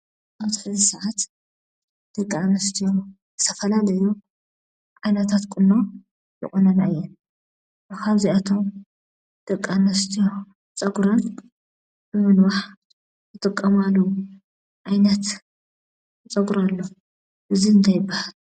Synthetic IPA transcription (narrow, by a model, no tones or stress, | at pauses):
ʔawt̪ʰɨ̥ħɨzɨsɐʕat̪ | d̪̥ɐkʼːamɐst̪ʰijo | zɨt̪ʰɐfɐlalɐjo | ʕajnɐt̪ʰat̪kʼʊnːo | jɛ̰kʼonɐnaɨjːɛn | bɨkʰaβziat̪ʰo̞m | d̪̥ɐkʼːanɐst̪ʰijo | t͡sʼɐɡɾon | bɨmɨnwaħ | tɨt̪ʼɨkʼːɐmalu | ʕajnɐt̪ | t͡sʼɐɡɾalːo | ʔɨziɨnt̪ʰɐjɪbːahal